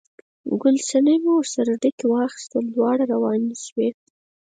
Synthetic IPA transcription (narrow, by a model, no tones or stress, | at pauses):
ɡʊlsanəjmuwɾsaɾaɖikewɑxɪ̥st̪əlːwɑɽaɾawɑniʃwe